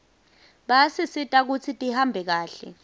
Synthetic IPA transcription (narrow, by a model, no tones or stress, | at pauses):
ɓasisitʼak̬ut͡sʰitʼihambʱɛk̬aːɬɛ̰